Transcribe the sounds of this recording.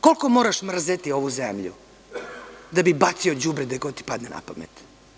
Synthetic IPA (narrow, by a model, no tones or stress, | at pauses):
kolkomoɾaʃmr̩zet̪ioʋuzemʎṵ | d̪abibat̪siod͡ʑubɾed̪ekot̪i̥pad̪nena̰pamḛt̪